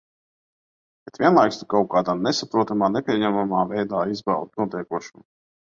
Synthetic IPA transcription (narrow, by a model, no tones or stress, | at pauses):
bɛt̪vʲiɛnlˠajkst̪ukawkaːd̪aːnesapɾuɔt̪amaːnɛpʲiɛɲɛmamaːvɛjd̪aːizba̰lˠt̪nuɔt̪ɛjkuɔʃum